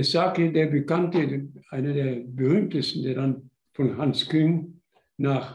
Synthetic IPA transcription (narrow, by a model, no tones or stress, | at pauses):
saːkədeːɐbəkantəʔaɪnɐdeːɐbəʁyːmtəstn̩deːɐdan | fɔnɦanskʰʏŋ | naːχ